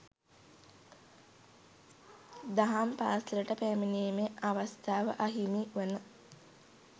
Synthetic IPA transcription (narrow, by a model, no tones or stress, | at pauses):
d̪aɦampaːsɾəʈəpæːminieemeaʋast̪ʰaːʋə̰ʔaɦimiʋenə